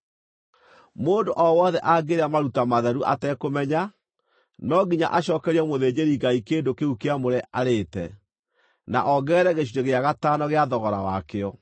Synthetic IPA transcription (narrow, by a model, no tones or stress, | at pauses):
moːndoʔɔwɔðɛʔaɡeɾeamaɾutamaðɛɾuʔa̰tɛkomɛɲa | nɔɡiɲa̰ʔaɕɔːkɛɾiɛmoðeːd͡ʑeɾiɡaikeːndokeukeamoɾɛʔaɾeːtɛ | na̰ʔɔɡɛːɾɛɣeɕiɾeɣeaɣatanɔɣeaðɔɣɔɾa̰wakeɔ